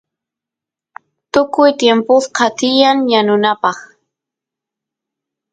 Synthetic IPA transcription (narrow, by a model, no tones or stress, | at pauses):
t̪ʊkʊjt̪jempʊsqɑt̪ɪjaŋjanʊnapɑχ